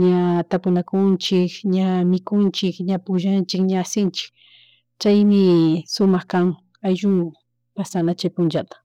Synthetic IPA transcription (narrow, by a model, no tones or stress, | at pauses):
ɲat̪apʊnakʊnt͡ʃɪkɲamɪkʊnt͡ʃɪkɲapʊʒant͡ʃɪkɲaːsɪnt͡ʃɪ̥k | t͡ʃajmɪsʊmɑχkaŋ | ajʒʊŋʊ | pasanat͡ʃajpʊnt͡ʃat̪ḁ